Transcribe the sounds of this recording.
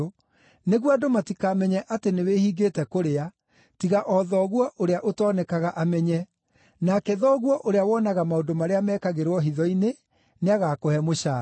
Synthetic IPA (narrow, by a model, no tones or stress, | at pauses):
neɣwadomatikamɛɲɛʔatenewehiːɡeːtɛkoɾea | tiɣaʔɔðɔɣwɔʔoɾeaʔotɔnɛkaɣaʔamɛɲɛ | nakɛðɔɣwɔʔoɾeawɔnaɣamaondomaɾeamɛːkaɣeɾwɔɦiðɔine | neaɣakohɛmoʃaː